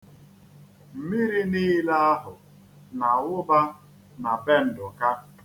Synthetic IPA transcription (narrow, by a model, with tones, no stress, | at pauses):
m̩˨mi˦ɾi˦niː˦la˦a˦ɦʊ˨ | na˨wʊ˦ba˦ | na˨be˦n̩˨dʊ˨ka˦